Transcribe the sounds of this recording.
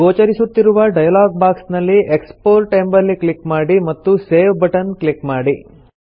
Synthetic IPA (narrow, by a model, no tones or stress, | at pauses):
ɡoːt͡ʃɐɾisut̪ːiɾuʋɐɖɐjɐlaːɡ̚baːksnɐlːiʔekspoːɾʈembɐlːiklikmaːɽimɐt̪ːuse̞ːʋbɐʈɐnklikmaːɽi